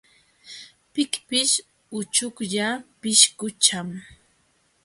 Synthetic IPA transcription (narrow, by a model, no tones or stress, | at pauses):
pɪkpɪʃ | ʊt͡ʃʊkʎapɪʃkʊt͡ʃam